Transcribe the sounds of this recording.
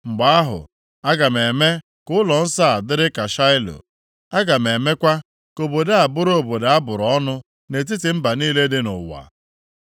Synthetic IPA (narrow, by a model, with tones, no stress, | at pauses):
ŋ͡m̩˨ɡ͡ba˨a˦ɦʊ̰˨ | a˦ɡa˨m̩˨e˨me˦ | kʊ˦ʊ˦lɔ˨n̩˦sa˦˨dɪ˦ɾɪ˦ka˨ʃa˦ɪ˦lo̰˨ | a˦ɡa˨me˨me˦kʷa˦ | ko˨bo˨da˦a˨bʊ˦ɾo˨bo˨da˦bʊ˨ɾɔ˦nʊ˦ | ne˨t̬i˦tɪ˨m̩˦ba˨niː˦le˦dɪ˦nʊ̰˨wa̰˨